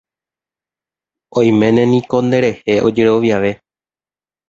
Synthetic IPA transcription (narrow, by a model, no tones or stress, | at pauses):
õj̃mẽ̞nẽ̞nĩko̞nd̪e̞ɾe̞he̞ʔo̞d͡ʒe̞ɾo̞ʋjaʋe̞